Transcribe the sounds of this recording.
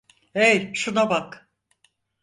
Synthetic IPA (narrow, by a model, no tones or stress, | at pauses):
ejʃunabak